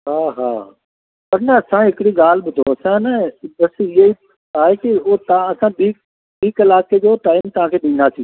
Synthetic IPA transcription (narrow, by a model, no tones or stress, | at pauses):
ɦaːɦa̰ː | pɐɾnɐɐsãɦɪkɪɽiɡaːl̤ɓʊd̪ʱoɐsãnəbɐsɪɦi | aːɦekɪʊt̪ɐ̃ɐsãɓiːk | ɓiːkɪlaːked͡ʑoːtaːɪmt̪ɐʋ̤ãkʰeːɗĩːnd̪at̪ʰi